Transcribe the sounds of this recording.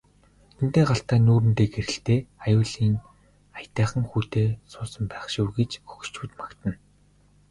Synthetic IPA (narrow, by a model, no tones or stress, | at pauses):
t̪ʰen̥t̪eːɢaɬt̪aːnuːɾɘ̆nt̪eːɡeɾɘ̆ɬt̪eːajʊːɮiːŋ | ajt̪æːχə̆ŋxuːt̪eːsʊːsə̆mpæːχʃuːɡet͡ɕxɵ̥xt͡ɕuːt̪makt̪ə̆n